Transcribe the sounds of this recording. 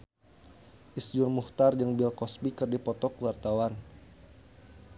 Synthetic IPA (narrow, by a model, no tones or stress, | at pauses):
ʔisd͡ʒurmuht̪ard͡ʒəŋbilkɔsbikɨrdipɔt̪ɔkuwart̪awan